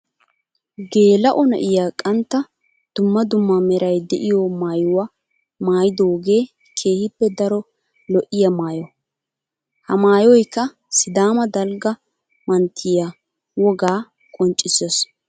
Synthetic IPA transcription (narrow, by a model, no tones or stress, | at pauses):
ɡe̞ːlɐʔɔnɐ̰ʔɪjaːkʼɐnt̪ːɐ | d̪̥ʊmːɐd̪ʊmːɐmɛɾɐjd̪ɛʔɪjɔmaːjʊwa | maːjɪd̪oːɡe̞ː | kʰe̞ːhɪpːɛd̪ɐɾɔ | lɔʔɪjɐmaːjɔ | hɐmaːjɔjkːɐ | sɪd̪aːmɐd̪ɐlɡɐ | mɐnt̪ʰːɪja | wɔɡaː | kʼɔnt͡ʃʼːɪsos